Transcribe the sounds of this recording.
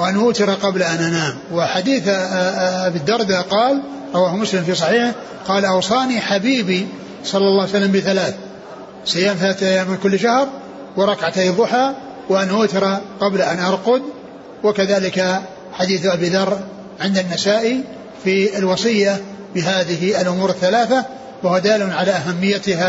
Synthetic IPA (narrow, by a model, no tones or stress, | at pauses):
wʔanʔʊːt̪ɪɾˤɑqɑblʔanʔanaːmwɪħad̪iːθ | abid̪ɑɾˤd̪aqɑːl | ɾˤɑwaːhmʊslɪmfiːsˤɑħiːħɪ | qɑːlʔɑwsˤɑːniħabiːbi | sˤɑlːɑlːɑːwjsalːambɪθalaːθ | sajːaːmθalaːθʔajːaːmːɪnkʊlːʃahɾˤ | wɪɾˤɑkʕat̪aðˤːʊħaː | wɪʔanʔʊːt̪ɪɾaqɑblaʔanʔɑɾˤqʊd̪ | wɪkaðaːlɪka | ħad̪iːθʔabiːðɑrˤː | ʕɪnd̪anːasaːʔi | fiɪlwɑsˤɨjːa | bɪɦaːðɪɦɪlʔʊmuːɾɪθːalaːθa | waʊwad̪aːlʊnʕalaʔaɦamːɪjːat̪ɪha